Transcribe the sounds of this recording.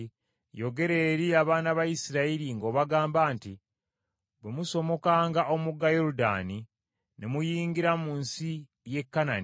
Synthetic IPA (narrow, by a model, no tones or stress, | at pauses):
jo̞ɡe̞ɾe̞ːɾiaβaːnaβajisiɾaiɾiŋɡo̞ːβaɡaːmbaːnti | βwemuso̞mo̞kaːŋɡaʔo̞muɡːajoɾuda̰ːni | nemujiːŋɡiɾamuːnsi | je̞kːanani